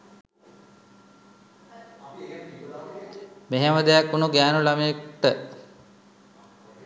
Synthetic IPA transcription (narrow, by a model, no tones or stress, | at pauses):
meɦeməd̪ejakːunuɡæːnulamekʈə